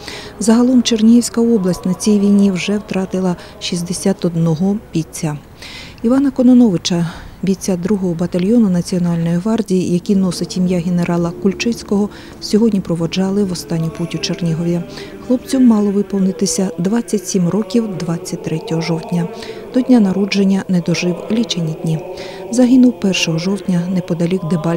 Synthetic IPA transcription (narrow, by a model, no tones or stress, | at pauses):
zɐɦɐlˠɔmt͡ʃernʲiɦiwsʲkɐɔblˠɐsʲtʲnɐt͡sʲijʋʲijnʲiwʒɛwt̪ɾɑt̪ɪlˠɐ | ʃizʲd̪esʲat̪ɔd̪nɔɦɔb̥ʲit͡sʲːa | iʋɑnɐkɔnɔnɔʋɪt͡ʃɐbʲit͡sʲːad̪ɾuɦɔɦɔbɐt̪ɐlʲjɔnʊnɐt͡sʲiɔnɑlʲnɔjiɦʋɑrdʲijijɐkʲinɔsɪtʲimjaɦene̞ɾʔɑlˠɐkʊlʲt͡ʃɪt͡sʲkɔɦɔ | sʲɔɦɔdʲnʲipɾɔʋɔd͡ʒɑlˠɪʋɔst̪ɑnʲːiputʲʊt͡ʃernʲiɦɔʋʲjɐxlˠɔp̚t͡sʲɔmɑlˠɔʋɪpɔwnɪt̪ɪsʲɐd̪ʋɑt͡sʲːɐtʲsʲimrɔkʲiwd̪ʋɑt͡sʲːɐt̚ʲt̪ɾɛtʲɔɦɔʒɔwt̪ʲnʲɐ | d̪̥ɔdʲnʲanɐɾɔd͡ʒenʲːɐnɛd̪ɔʒɪwlʲit͡ʃenʲːid̪ʲnʲi | zɐɦɪnʊwpɛrʃɔɦɔʒɔwtʲnʲɐnɛpɔd̪ɐlʲiwd̪ebɑlʲ